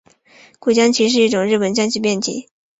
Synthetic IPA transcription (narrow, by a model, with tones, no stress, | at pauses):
kwe˥˩ɪt͡ɕjɑ˥ŋt͡ɕʰi˧˥ʂ̬ɻ̩˥˧i˥˩ʈ͡ʂʊ˨˩ŋɻɻ̩˥˩pə˨˩nt͡ɕjɑ˥ŋt͡ɕʰy˥˧p̬jɛ˥˩nt͡ɕʰḭ˧˥˦